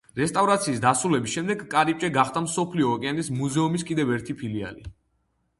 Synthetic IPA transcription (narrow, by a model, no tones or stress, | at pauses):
ɾɛst̪ʼavɾat̪sʰiːsd̪asɾulɛbisʃɛmd̪ɛɡkʼaɾip̚t͡ʃʼɛɡaχt̪amsɔpʰliɔːkʼɛanismuzɛumiskʼid̪ɛvɛɾt̪ʰipʰilia̰li